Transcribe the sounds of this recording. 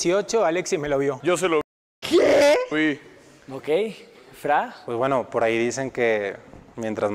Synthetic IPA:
siot͡ʃoaleksime̞loβjo̞ʝos̬elo | kei | okejfɾawezβwe̞no̞po̞ɾaiðise̞ŋkemjent̪ɾaz

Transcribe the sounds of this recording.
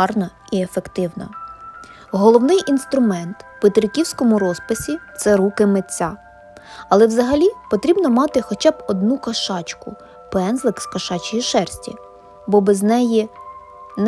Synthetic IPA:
ɑrnɐ | iefekt̪ɪwnɐ̰ | ɦɔlˠɔwnɪjʔinst̪ɾʊmɛnt̪pet̪ɾɪkʲiwsʲkɔmʊɾɔspɪsʲit̪sɛɾukɪmet͡sʲːa | ɐlˠɛwzɐɦɐlʲipɔt̪ɾʲibnɔmɑt̪ɪxɔt͡ʃɑbɔd̪nukɐʃɑt͡ʃkʊ̰ | pɛnzlˠɪkskɐʃɑt͡ʃɪjiʃɛrsʲtʲḭ | bɔbɛznɛji | n

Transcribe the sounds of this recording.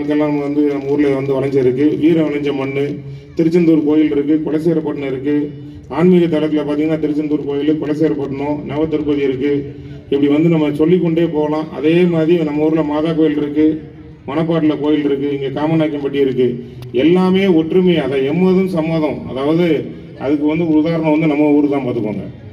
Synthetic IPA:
kːɛlːãːmɐʋɐnd̪ɯnɐmːɐuːɾɯlɐʋɐnd̪ɯʋɐɭɐɲd͡ʒɐɪɾɯkːɯʋiːɾɐʋɐɭɐɲd͡ʒɐmɐɳːɯ | t̪ɪɾɯt͡ʃːɐnt̪uːɾpoːjɪlɪɾɯkːɯkʊɻɐseːɾɐpːɐʈːɐɳɐ̃ɪɾɯkːɯ | aːɳmiːɣɐt̪ɐlɐt̪ːɪlɐpaːɾt̪ĩːŋɡɐnːaːt̪ɪɾɯt͡ʃːɐnd̪uːɾpoːjɪlɯkʊɭɐs̬eːɾɐpːɐʈːɐɳõnɐʋɐt̪ːɪɾɯpːɐðiɪɾɯkːɯ | ɪpːɐɽiʋɐnd̪ɯnɐmːɐsɔlːɪkːɔɳɖeːpoːlãːʔɐðeːmaːðɾinɐmːɐuːɾɯlɐmaːðaːk̬oːjɪlɪɾɯkːɯ | mɐnɐp̬ːaːʈ̬ːɪlɐkoːjɪlɪɾɯkːɯɪŋɡekaːmɐnaːkːɐmpɐʈːiɪɾɯkːɯ | ɛlːaːmeːɔʈrɾɯmeɐðãːɛmːɐːðɯ̃msɐmʋaːðɐ̃ɐ̰ðaːʋɐðɯ | ɐðɯkːɯʋɐnd̪ɯʊðaːɾɐɳɐʋɐnd̪ɯnɐmːɐuːɾɯt̪ãːpɐt̪ːɯkːo̰ːŋɡɐ̰

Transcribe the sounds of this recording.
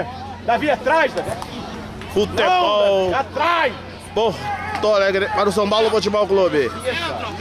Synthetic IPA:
d̪aviat̪ɾajʃd̪avi | fut̪ebɔwat̪ɾaj | boht̪olɛɡɾepaɾʊs̬ɐ̃w̃pawlʊfot͡ʃɪbɔwklobɪ

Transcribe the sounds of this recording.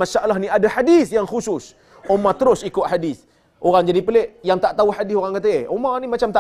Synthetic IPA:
aʃaʔalːahnĩadaħadiθjaŋxusʊs | omãt̪əɾʊsikʊt̪̚ħadiθ | ʔoɣaŋd͡ʒadipəleʔjaŋt̪aʔt̪auħadisoɣaŋkat̪̬əeʔomanimat͡ʃamt̪a

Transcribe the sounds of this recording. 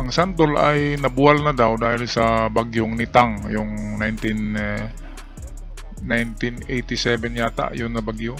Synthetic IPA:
ʔɐŋsant̪olajnɐbualnɐd̪awd̪aːhɪlsɐbaɡjʊŋnɪt̪aŋjʊŋnajnt̪ɪn | ajnt̪inɛjt̪ɪsɛbɛnjaːt̪a̰ʔjʊnːɐbaɡjo

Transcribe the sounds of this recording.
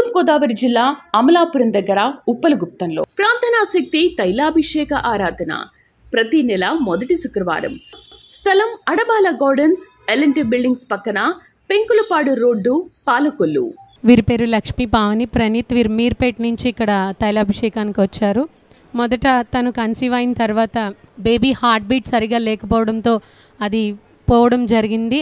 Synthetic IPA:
mkɔːd̪aːʋɐɾid͡ʒilːaːɐmɐlaːpuɾɐnd̪ɐɡːɐɾɐupːɐluɡup̚t̪ɐnlo̰ːpɾaːnt̪ɐnaːsɐk̚t̪it̪ɐjlaːbʱiʂɛːkɐʔaːɾaːd̪ɐnɐ̰ | pɾɐt̪inɛlɐmɔd̪ɐʈisukɾɐʋa̰ːɾɐ̰mst̪ʰɐlɐmɐɽɐbaːlɐɡaːɾɖɐns | elɐɳʈibilɖiŋɡspɐkːɐna | peŋkulɐpaːɽuɾoːɖːupaːlɐkolːṵ | ʋiːɾipe̞ːɾulɐkʂmipaːʋɐnipɾɐnit̪ʋiːɾmiːɾpeːʈnuɲt͡ʃiːkːɐɽɐt̪ɐjlɐːbʱiʂɛːkaːnikiʋɐt͡ʃːaːɾu | mɔd̪ɐʈɐt̪ɐnukɐnsiʋaːjinɐt̪ɐɾʋaːt̪ɐbeːbiːhaːɾʈ̚biːʈsɐɾiɡaːlɛːkɐpɔːʋɐɽɐnt̪o̞ː | ɐd̪i | pɔːʋɐɽɐmd͡ʒɐɾiɡind̪i

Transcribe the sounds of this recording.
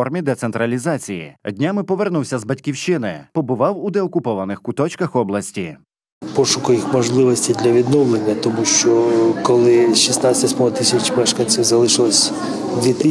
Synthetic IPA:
ɔrmʲid̪ɛt̪sent̪ɾɐlʲizɑt͡sʲijḭdʲnʲamɪpɔʋernuwsʲɐzbɐtʲkʲiwʃt͡ʃɪnɪpɔbʊʋɑwud̪ɛɔkʊpɔʋɐnɪxkʊt̪ɔt͡ʃkɐxɔblˠɐsʲtʲi | pɔʃʊkʊjixmɔʒlˠɪʋɔsʲtʲid̪lʲɐʋʲid̪nɔwlˠenʲːɐt̪ɔmuʃt͡ʃɔkɔlˠɪʃisnat̪ʲɐsʲmɔɦɔt̪ɪsʲɐt͡ʃmɛʃkɐnʲt͡sʲiwzɐlˠɪʃɪlˠɔsʲ | ʋʲit̪ɪ

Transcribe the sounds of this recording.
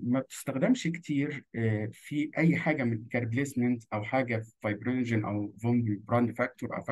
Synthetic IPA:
mæb̚t̪ɪ̥st̪æxd̪æmʃkt̪ʰiːɾfiʔæjːħaːɡæmɪnkæɾˤblesmænt̪ʔæwħaːɡæv̥ɑjbɾenʒænʔæwvɑmdbɾɑnd̪fæk̚t̪oɾʔæ̰wfæ

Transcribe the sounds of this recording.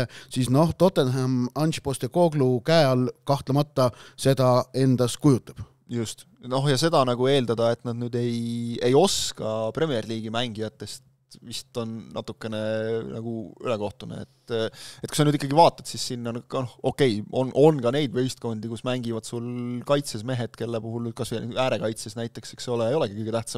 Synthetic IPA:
sisno̞ht̪o̞t̪ːˑenɦæmɑnʲɕpo̞st̪eko̞ːɡlukæeɑlkɑht̪lɑmɑt̪ːɑse̞d̪ɑe̞nd̪̥ɑskujut̪ːˑɑb̥ | just̪ | no̞ɦjɑse̞d̪ɑnɑɡ̥ue̞ːld̪ɑd̪ɑe̞t̪nɑd̪nyːd̪e̞je̞jo̞skɑpre̞mierliːɡ̥imæŋɡijɑt̪ːˑe̞st̪ | vist̪o̞nːʔɑ̰t̪ːˑukːe̞ne̞nɑ̰ɡ̥uyle̞ko̞ht̪unḛḛt̪ːet̪̚ku̥sɑnyd̪ikːɑɡivɑːt̪ːˑɑt̪sissinːɑnnoho̞kːˑe̞jʔonʔo̞nɡɑne̞jd̪vejst̪̚ko̞nʲd̪̥ikusmæŋɡ̥ivɑd̪̥sulkɑjt̪sesme̞ɦe̞d̪̥ke̞lːepuɦulny̥ːkɑsviæːɾe̞kɑjt̪sesnæjt̪ːˑe̞kseksoleejo̞le̞ɡikɯjɡet̪æht̪sɑ

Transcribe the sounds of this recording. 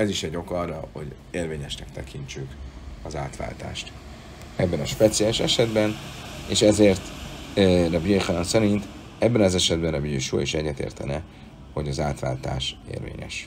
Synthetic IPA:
ɛziʃɛɟːo̞kɒrːɒho̞̰ɟ | eːrveːɲɛʃnɛk̚t̪ɛkʰiɲt͡ʃykɒzaːt̪ʋa̰ːlt̪a̰ːʃt̪ | ɛbːɛnɒʃpɛt̪sijaliʃɛ̰ʃɛd̪bɛneːʃɛzeːrt̪ | rɛbieχɛnɒnsɛɾint̪ | ɛbːɛnɒzɛʃɛd̪̚bɛnrɛbieʃṵiʃɛɟːɛt̪ḛːrt̪ɛnɛ | ho̞ɟɒzaːt̪ʋa̰ːlt̪a̰ːʃḛːrvḛːɲɛ̰ʃ

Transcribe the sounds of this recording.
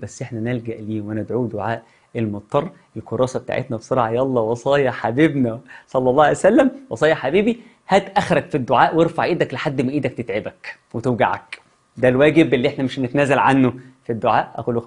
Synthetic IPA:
bæsːʔeħnænelɡæʔliːwʔænæd̪ʕuːd̪oʕaːʔ | elmot̪ˤːɑrˤːʔelkoɾˤɑːsɑbet̪a̰ʕḛt̪næbsˤoɾˤʕɑjɑlˤːɑwɑsˤɑːjæħabiːbnæsˤɑlːɑlˤːɑːjsælːæmwɑsˤɑːjɑħabiːbi | hæt̪ʔæxɾˤɑɡfid̪ːoʕaːʔweɾfaʕʔiːd̪ækleħad̪ːmæʔiːd̪æk̚t̪et̪ʕebæk | wet̪ewɡa̰ʕæ̰k | d̪ælwæːɡebʔelːiʔeħnæmeʃnet̪ænæːzælʕanːofid̪ːoʕaːʔʔæ̰quːl

